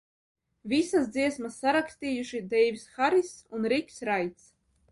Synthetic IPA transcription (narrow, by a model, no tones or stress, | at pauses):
vʲisasd̪ziɛsmasːaɾakst̪iːjuʃid̪ɛjvisxaɾisunɾikʲsɾajt̪s